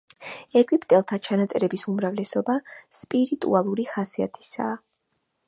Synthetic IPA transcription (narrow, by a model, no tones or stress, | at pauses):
ɛɡʼwipʼt̪ʼɛlˠt̪ʰat͡ʃʰanat̪sʼɛɾɛbisumɾavlɛsɔbaspʼiɾit̪ʼṵalˠuɾiχasia̰t̪ʰi̥sa̰ː